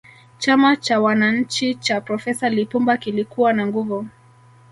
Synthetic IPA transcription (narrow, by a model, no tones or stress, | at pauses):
t͡ʃamat͡ʃawanaɲ̩t͡ʃit͡ʃapɾɔfɛsalipumbakilikuwanaŋɡuvu